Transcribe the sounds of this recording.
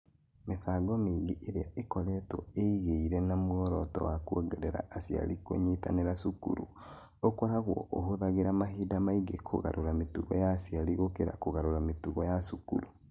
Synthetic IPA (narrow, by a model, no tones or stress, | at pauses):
mesaːɡɔmeɡiʔeɾeaʔekɔɾɛtɔ̰eiɣeiɾɛnamuɔɾɔtɔ̰wakwoɡɛɾɛɾa̰asia̰liko̰ɲeta̰neɾasukṵɾṵ | okoɾaɣwɔ̰ʔohoðaɣeɾamaɦidamaiɡekʰo̰ɣa̰ɾʔoɾametuɣɔ̰jasialiɣokeɾa̰koɣaɾoɾametuɣɔjasukṵɾu